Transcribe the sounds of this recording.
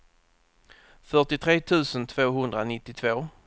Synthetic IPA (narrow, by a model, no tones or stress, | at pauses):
fœʈɪt̪ʰɾeːt̪ʰʉ̟ːsənt̪ʰv̥oːɦɵnd̪ɾanɪt̪ːɪt̪ʰvoː